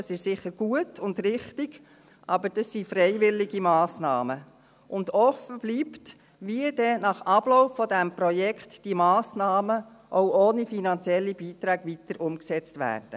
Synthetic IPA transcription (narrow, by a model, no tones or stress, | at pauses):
əsɪʃsɪχəɾɡ̥uətʰʊndɾɪχtɪɡ | ʔɑbəɾd̥ɑsifɾɛɪʋɪlːɪɡimɑːsnɑ̰ːmə | ʔʊndɔfəb̥liːpt | ʋidɛnɑχɑb̥lɔwfːɔdɛmpɾɔjɛkχtd̥imɑːsnɑːmə | ʔowʔoːnifinɑnt͡sjɛlːibiːt̪ɾæːɡ̥ʋitəɾʔʊmksɛt͡stʋæ̰ːɾd̥ə